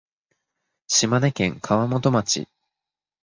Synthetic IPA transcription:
ɕimanekẽ̞ŋkʰaβamo̞t̪o̞mat͡ɕḭ

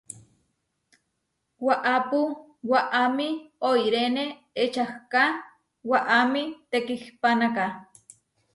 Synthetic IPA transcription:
waʔapu | waʔamioiɾene | et͡ʃahka | waʔamit̪ekihpanaka

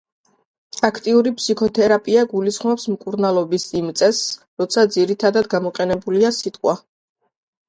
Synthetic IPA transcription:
akʰt̪ʼiuɾipʰsikʰɔt̪ʰɛɾapʼiaɡulisχmɔpsmkʼuɾnalˠɔbisimt̪sʼɛs | ɾɔt̪sʰad̪ziɾit̪ʰad̪ad̪ɡamɔqʼɛnɛbuliasit̪ʼqʼwa

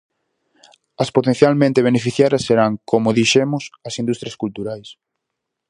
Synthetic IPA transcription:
ɐspot̪ẽn̟θjalmẽnt̪eβ̞enefiθjaɾɐsːeɾaŋkomʊðiʃemʊsɐsind̪ust̪ɾjɐskult̪uɾajs

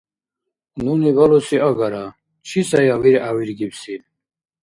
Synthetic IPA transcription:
nunivalɔsiaɡaɾa | t͡ʃʰisajawiɾawiɾɡipsi

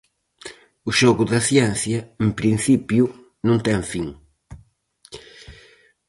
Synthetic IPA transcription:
ʊʃɔɣʊðɐθjɛn̟θjɐempɾin̟θipjʊ | nũnt̪ɛŋfiŋ

